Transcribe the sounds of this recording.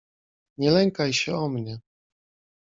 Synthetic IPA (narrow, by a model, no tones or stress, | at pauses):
ɲɛlɛŋkajɕɛɔmɲɛ